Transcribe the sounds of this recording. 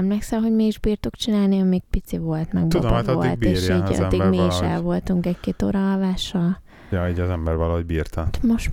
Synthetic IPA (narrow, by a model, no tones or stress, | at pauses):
ɛmlɛksɛmɦo̞ɟmiiʒbiːrt̪okt͡ʃinaːlniɒmiɡ̚pit̪siʋo̞lt̪mɛ̰ɡt̪ud̪oat̪ɒdo̰itb̪eːʃḭːd̪ːiɡmiiʃɛ̰lvo̞lt̪uŋkɛckeːt̪o̰ːɾɒːlvaːʃɒl | ɑiːɟɒzɛmbɛrvɒlɒɦoɟbiːrt̪ɒt̪moʃ